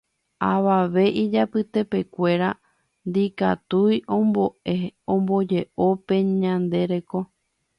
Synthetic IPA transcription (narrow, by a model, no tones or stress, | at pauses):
aʋaʋe̞ʔid͡ʒapɨt̪e̞pe̞kʷe̞ɾa | nd̪ika̰t̪ujʔõ̞mbo̞ʔeõ̞mbo̞d͡ʒe̞ʔo̞pe̞ɲãnd̪e̞ɾe̞ko̞